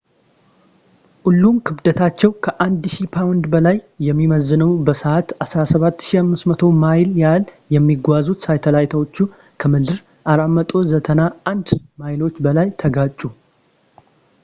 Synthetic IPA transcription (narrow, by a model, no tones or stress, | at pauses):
ʔulːumkʰɨβd̪ət̪ʰat͡ʃːɛwkʰəʔand̪ʃipʰawnd̪bəlajːɛmːiməzːɨnəwbəsəʔat̪asɾasəβat̪ːʃiamːɨst̪mət̪ʰo̞majljal | jɛmːiɡʷazut̪sajt̪ʰəlajt̪ʰəwot͡ʃːu | kʰəmɨd̪ɨɾ | ʔaɾamːət̪ʼo̞zət̪ʰənaʔand̪majlo̞t͡ʃːbəlajt̪ʰəɡat͡ʃʼːu